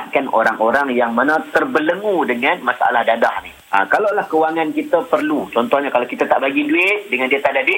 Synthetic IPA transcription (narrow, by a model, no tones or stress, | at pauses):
t̪̚kanʔo̰ɾaŋʔoɾaŋjaŋmənãt̪ərbələŋũdəŋãnmasaa̰lahdadahnihʔa̰kalawlahkəwaŋankit̪əpərlut͡ʃɔnt̪ɔhɲakalawkit̪at̪aʔbaɡiduɪʔ̚dəŋãndiət̪aʔdaduɪʔ